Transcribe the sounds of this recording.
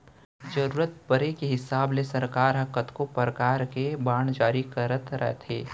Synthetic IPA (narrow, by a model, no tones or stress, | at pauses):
d͡ʒəɾuːɾət̪̚pəɾekeɦɪsaːblesɐɾkaːɾɦɐkət̪kopɾəkaːɾkebaːɳ̃d͡ʒaːɾikɐɾət̪ɾə̰ɦt̪ʰḛː